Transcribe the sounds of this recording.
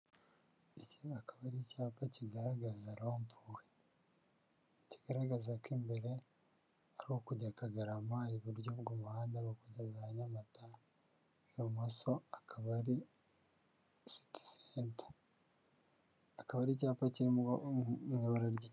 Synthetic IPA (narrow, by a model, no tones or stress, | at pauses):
iciakaβaɾicaːpaciɡaɾaɡazaɾoːmpʰuwe | ci̥ɡ̥aɾaɡazakeːmbe̞ɾe̞ | aɾihokuɟakaɡaɾamaːjiβuɾɟoːβɡomuhaːndaɾokuɟazahaɲamata | jomosoakʰaβaɾi | si̥ti̥seːntḁ | kaβaɾicaːpaciɾi | ɲoβaɾaɾɟi